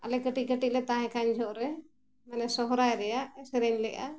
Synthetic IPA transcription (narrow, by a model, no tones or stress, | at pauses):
a̰lɛkəʈikəʈiʔlɛt̪ãɦɛ̃kaɲd͡ʒʱɔʔɾɛ | mɛnɛsɔɦɔɾajɾɛjaʔɛsɛɾənlɛʔa̰